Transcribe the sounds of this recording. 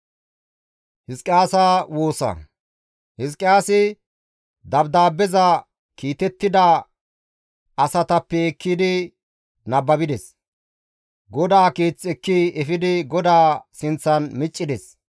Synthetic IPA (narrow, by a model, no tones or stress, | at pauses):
hɪskʼɪjaːsaːwoːsɐ̰ | hɪs̬kʼːɪjaːsɪ | d̪ɐbd̪aːbːɛzɐ | kiːt̪ɛt̪ːɪd̪ɐ | ɐsɐt̪ɐpːɛːkːɪd̪ɪ | nɐbːɐbɪd̪ɛs | ɡɔd̪aːkiːt͡sʼːɛkːiʔɛfɪd̪ɪɡɔd̪aːsɪnt͡sːɐnmɪt͡ʃʼːɪd̪ɛs